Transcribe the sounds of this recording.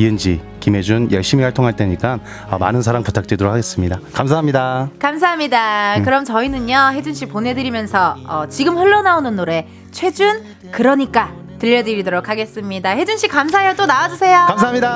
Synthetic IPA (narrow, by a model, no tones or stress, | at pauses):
iɯnd͡ʑi | kime̞d͡ʑunjʌɭɕ͈imihwaɭtʰoŋɦaɭt͈eɲik͈an | ʌma̰nɯnsʰaɾaŋputʰak̚t͈wedoɾokʰaɡe̞s͈ɯmɲidakamsʰaɦamɲidakams̬ʰaɦamɲidakɯɾʌmt͡ɕʌinɯnjʌɦe̞d͡ʑunɕʰiponɦe̞dɯɾimjʌnsʰʌʌt͡ɕiɡɯmɸɯɭːʌnaonɯnːoɾe̞ | t͡ɕʰwe̞d͡ʑun | kɯɾʌɲik͈a | tɯʎːʌdɯɾidoɾokʰaɡe̞s͈ɯmɲidahe̞d͡ʑunɕʰik͈amsʰaesʌt͈onawad͡ʑusʰe̞jokamsʰaamɲida